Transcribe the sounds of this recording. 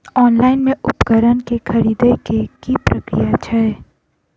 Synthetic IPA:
ɔːnlaːɪnmẽʊpkəɾənkekʰɐɾiːd̪ekekipɾɐkɾijat͡ʃʰɐɛ

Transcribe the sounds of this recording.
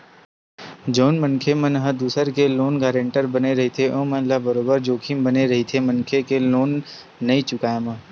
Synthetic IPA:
d͡ʒoːnmɐ̃nkʰemɐnɦəd̪uːsəɾkeloːnɡaːɾẽːɳʈəɾbɐneɾɐɦit̪ʰeʔomə̃nlabəɾoːbəɾd͡ʒoːkʰimbɐneɾɐɦit̪ʰemɐ̃nkʰekeloːnː | ɐĩt͡ʃʊkaːemə̃

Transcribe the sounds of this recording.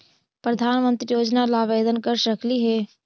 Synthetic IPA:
pɾəd̪ʱaːnmə̃nt̪ɾijoːd͡ʒnalaːʋeːd̪ənkəɾʃəkʰliɦɛː

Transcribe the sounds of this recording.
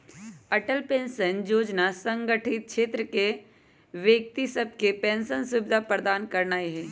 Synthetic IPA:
ɐʈəlpẽːnsənjoːd͡ʒnasə̃ŋɡəʈʰɪt̪̚ʃeːt̪ɾəke | ʋjek̚t̪isəb̚kepɛ̃ːnsənsubɪd̪ʱapɾəd̪aːnkɐɾnaːeɦɛː

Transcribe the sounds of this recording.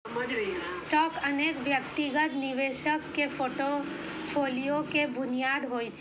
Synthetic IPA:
əd͡ʒɾəisʈɔkənekʋjəkt̪iɡət̪niʋeʃəkːepʰoʈo | pʰolijokebʊnijad̪ɦojt͡ʃʰ

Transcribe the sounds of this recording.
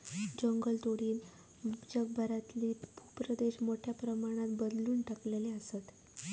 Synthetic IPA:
d͡ʑəŋɡəlt̪oɽiːn | d͡ʑəɡ̚bʱəɾat̪libʱupɾəd̪eɕmoʈʰjapɾəmaɽ̃at̪bəd̪luːnʈəkleleəsat̪

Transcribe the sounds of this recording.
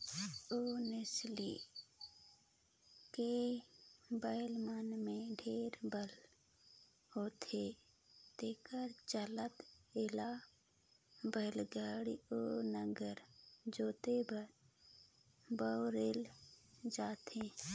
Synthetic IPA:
oːnɪslḭ | ke | bəlmanmẽɖʱeːɾbəl | ɦoːt̪ʰe | t̪eːkəɾt͡ʃələt̪ɪla | bəɪlɡaːɽḭoːnəɡəɾd͡ʒoːt̪ebʱəɾ | bəɾeːld͡ʒaːt̪ʰeː

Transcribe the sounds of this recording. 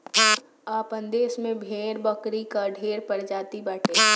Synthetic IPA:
aːpɐ̃nd̪eːsmẽbʱeːɾbɐkɾikaɖʱeːɾpɐɾd͡ʒaːt̪ibɛːʈʰẽː

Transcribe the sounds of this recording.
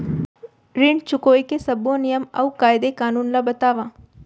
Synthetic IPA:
ɾɪɳɖt͡ʃʊkoːikesɐbõnɪjəmɐ̰ukaːjd̪ekaːnuːnlabɐt̪aːʋãː

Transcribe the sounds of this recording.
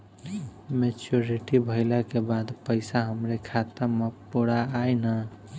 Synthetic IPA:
met͡ʃuɾiʈibʱəɪlakebad̪pəɪsaɦəmɾekʰat̪amepuɽaːjna

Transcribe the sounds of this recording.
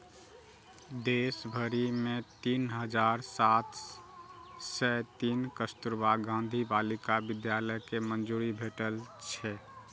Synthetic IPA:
d̪esbʱəɾimet̪inɦəd͡ʒaɾsat̪ | sɛt̪inkəst̪uɾbaɡãnd̪ʱibalikabɪd̪jaləjkemənd͡ʒuɾibʱeʈəlt͡ʃʰɛ

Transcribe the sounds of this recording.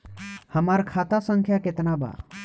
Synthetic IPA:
həmaɾkʰaːt̪asə̃ŋkʰjakɪt̪naba̰

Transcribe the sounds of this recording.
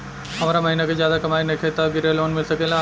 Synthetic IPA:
ɦɐmɾamɐɦiːnakezjaːd̪akɐmaːinɐkʰet̪aɡɪɾeloːnmɪlsɐkeːla

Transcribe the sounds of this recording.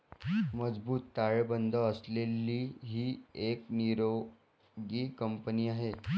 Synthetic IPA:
məd͡zbuːt̪ːaɭbənd̪ʱəəsleliːɦiːekniɾo | ɡiːkəmpəniːaɦe

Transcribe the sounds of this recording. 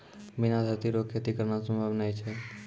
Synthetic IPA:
binad̪ʱəɾt̪iɾokʰet̪ikəɾnasə̃mbʱaʋnajt͡ʃʰe

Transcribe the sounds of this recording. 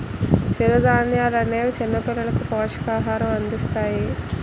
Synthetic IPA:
t͡ʃiɾɐd̪aːnjaːlɐneːt͡ʃinːɐpilːɐlɐkupɔːʃɐ̥kaːɦaːɾɐmɐnd̪ist̪aːji

